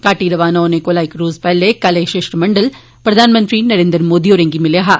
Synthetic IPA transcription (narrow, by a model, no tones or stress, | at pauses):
kaːʈːiːɾɐʋaːnoːnekolaːjkɾuːzpɐlːeːkɐlɐʂeːʂʈɾmɐɳɖɐl | pɾɐðʱaːnɐmɐnd̪ɾinɐɾeːnd̪ɐɾmoːðiɔɾɐŋɡimɪljɐɦa